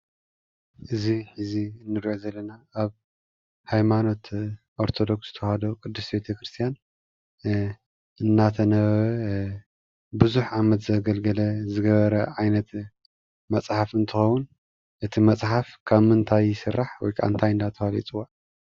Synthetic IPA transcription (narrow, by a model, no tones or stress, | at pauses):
ʔɨziħɨzinːɨɾiʔo̞zɐlːɐnaʔːβ | hajmano̞t̪ | ʔo̞ɾt̪ʰo̞d̪o̞ksɨt̪ʰɐwhad̪okʼɨd̪ːɨsbe̞t̪ʰɐkɾɨst̪ʰijan | ɨnːat̪ʰɐnɐββɐ | bɨzuħʕamɐt̪zɐɡɐlɡɐlɐzɨɡɐβɐɾɐʕajnɐt̪ | mɐt͡sʼħafɨnt̪ʰɨxɐwun | ʔɨt̪ʰimɐt͡sʼħafkʰamɨnt̪ʰajɪsɨrːaħwɔ̰jkʰa̰ɨnt̪ʰajɨnd̪at̪ʰɐfalḭt͡sʼɨwa